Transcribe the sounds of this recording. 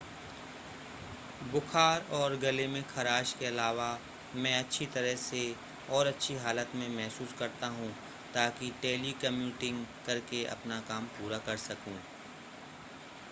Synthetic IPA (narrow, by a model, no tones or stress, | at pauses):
bʊxʰaːɾɔːɾɡɐlemẽkʰɐɾaːʃkeɐlaːʋa | mɛ̃ːɐtːʃʰit̪ɐɾəɦse | ɔːɾɐtːʃʰiɦaːlət̪mẽmɛɦsuːskɐɾt̪aɦũ | t̪aːkiʈeːlikɐmjuːʈɪ̃ŋɡkɐɾkeʔɐ̰pnakaːmpuːɾakɐɾsɐkũː